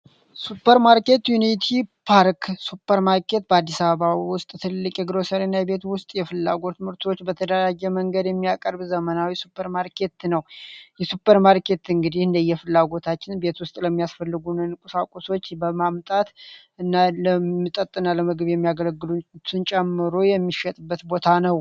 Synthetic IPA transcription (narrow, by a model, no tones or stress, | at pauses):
supʰːəɾmaɾke̞t̪junit̪ʰipʰaɾksupʰːəɾmaɾkʰe̞t̪bəad̪ːisaβəβawʊst̪ʼt̪ʰɨlːɨkʼjɛɡɾosəɾenːajɛbe̞t̪wʊst̪ʼjɛfɨlːa̰ɡo̞t̪mɨɾt̪ʰo̞t͡ʃːbət̪ʰəd̪əɾad͡ʒːɛməŋɡəd̪jɛmːijakʼəɾbzəmənawjɛsupʰːəɾmaɾkʰe̞t̪nəwjɛsupːəɾmaɾkʰe̞t̪ɨŋɡɨd̪ihɨnd̪əjɛfɨlːaɡo̞t̪ʰat͡ʃːɪnbe̞t̪wʊst̪ʼləmːijasfəlːɨɡunɨnkʼusakʼuso̞t͡ʃːbəmamt̪ʼat̪ | ɨnːaləmɨt̪ʼət̪ʼːɨnːaləmɨɡɨβjɛmːijaɡələɡːɨlut̪ʰɨnt͡ʃʼɛmːɨɾojɛmːiʃɛt̪ʼɨbːət̪bo̞t̪ʰanəw